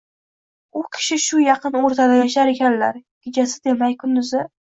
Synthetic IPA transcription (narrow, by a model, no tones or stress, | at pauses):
ʊkʲʰɪ̥ʃɪʃʊjɑqʰɨnoɾt̪ʰad̪ajaʃaɾe̞kʲʰanla̰ɾɡʲɪd͡ʒasɪd̪e̞majkʰʊnd̪ʊzɪ